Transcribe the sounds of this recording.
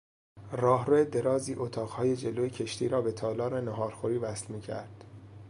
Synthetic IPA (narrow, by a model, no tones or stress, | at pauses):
rɒːɦɾoed̪e̞ɾɒːziːʔot̪ʰɒːʁhɒːje̞d͡ʒe̞loːjecʰeʃt̪ʰiːɾɒːbe̞t̪ʰɒːlɒːɾenoɦɒːɾxoɾiːvæslmiːcʰæ̰ɾd̪̥